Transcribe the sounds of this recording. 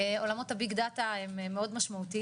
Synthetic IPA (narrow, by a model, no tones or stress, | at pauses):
o̞lamo̞thabiɡd̪at̪ahemmːeo̞d̪maʃmaut̪i